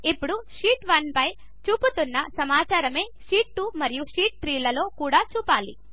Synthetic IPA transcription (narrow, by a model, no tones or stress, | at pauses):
ipːuɽuʂiːʈʋɐnpɐj | t͡ʃuːput̪unːɐsɐmaːt͡ʃaːɾɐme̞ːʂiːʈːumɐɾijuʂiːʈ̚t̪ɾiːlɐlo̞ːkuːɽaːt͡ʃuːpaːlḭ